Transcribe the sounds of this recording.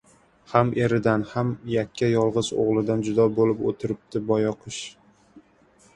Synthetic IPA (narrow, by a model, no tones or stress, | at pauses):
hamʔeɾɪd̪anhamjakʲːajɒlˠʁɨzo̰ʁlˠɪd̪and͡ʒʊd̪ɒbolɪpot̪ʰɪɾɪp̚t̪ʰɪbɒjɒqʰɨʃ